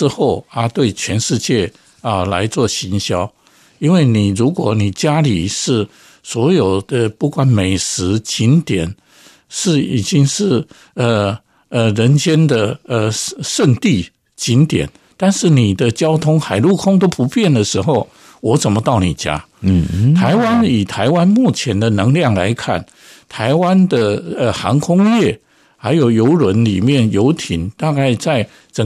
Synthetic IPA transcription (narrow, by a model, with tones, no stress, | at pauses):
ɻ̩˥˧xo˥˩ʊə˧t̪we˥˩ɪt͡ɕʰɥɛ˧˥nʂɻ̩˥˧t͡ɕjɛ˥˩ | ə˧˩la̰˧˥ɪt͡swɔ˥˩ɕi˧˥nɕjɑ˥ʊ | i˥nwe˥˩ɪni˨˩ɻu˧˥kwɔ˧˥ni˨˩t͡ɕja˥li˨˩ʂɻ̩˥˩ | swɔ˧˥jo˨˩ʊd̪ə˧pu˥˩kwa˨˦nme˨˩ɪʂɻ̩˧˥t͡ɕi˧˥nt̪jɛ˨˩˦n | ʂɻ̩˥˩i˨˩t͡ɕi˥ŋʂɻ̩˥˩ | ə˨ | ə˨ɻə˧˥nt͡ɕjɛ˥nd̪ə˨ə˧˩ʂə˥˧ŋt̪i˥˩ | t͡ɕi˧˥nt̪jɛ̰˨˩˦n | t̪a˥˧nʂɻ̩˥˩ni˨˩d̪ə˦t͡ɕjɑ˥ʊt̪ʰʊ˥ŋxa˨˩ɪlu˥˩kʰʊ˥ŋt̪o˥ʊpu˧˥pjɛ˥˩nd̪ə˩ʂɻ̩˧˥xo˥˩ʊ | wɔ˧˥t͡sə˨˩nmə˦t̪ɑ˥˩ʊni˨˩t͡ɕja̰˥ | t̪ʰa˧˥ɪwa˦ni˨˩t̪ʰa˧˥ɪwa˦nmu˥˩t͡ɕʰjɛ˧˥nd̪ə˨nɤ˧˥ŋljɑ˥˩ŋla̰˧˥ɪkʰa̰˥˩n | t̪ʰa˧˥ɪwa˦˥nd̪ə˨ə˨xɑ˧˥ŋkʰʊ˥ŋjɛ˥˩ | xa˧˥ɪjo˨˩ʊjo˧˥ʊlwə˧˦nli˨˩mjɛ˥˩njo˧˥ʊt̪ʰi˨˩˦nt̪a˥˧ka˥˩ɪt͡sa˥˩ɪ | t͡sə˨˩